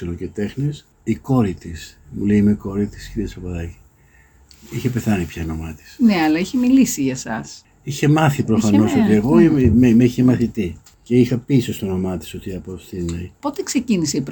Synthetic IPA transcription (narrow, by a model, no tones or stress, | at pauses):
elocet̪e̞xnis | iko̞ɾit̪ismule̞imeko̞ɾit̪i̥sciɾiɐspɐpɐðɐci̥ | içe̞pe̞θɐnipçɐno̞mɐt̪i̥sneɐlɐiçemilisiʝɐsɐ̰s | içe̞mɐθipɾo̞fɐno̞sot̪ie̞ɣo̞imemiçemɐθit̪i | ce̞ixɐpisost̪ono̞mɐt̪i̥so̞t̪iɐposθinɐipo̞t̪ekseciniseipɾ